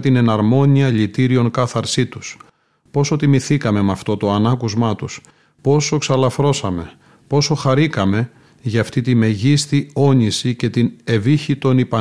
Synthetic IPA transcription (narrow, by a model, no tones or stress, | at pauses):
t̪ine̞nɐɾmo̞ɲiɐʎit̪iɾio̞ŋkɐθɐɾsit̪u̥s | po̞so̞t̪imiθikɐme̞mɐft̪o̞t̪o̞ɐnɐkuzmɐt̪us | po̞so̞ksɐlɐfɾo̞sɐme̞ | po̞so̞xɐɾikɐme̞ | ʝɐːft̪it̪ime̞ʝist̪io̞ɲisice̞t̪ine̞viçit̪o̞nipɐ